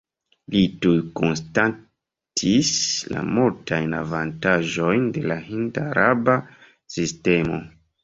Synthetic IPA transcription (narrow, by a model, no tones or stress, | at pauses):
litujkonsta | tʰisla̰multʰajnavantaʒo̞jnde̞laɦindaɾaba | sistemo̞̰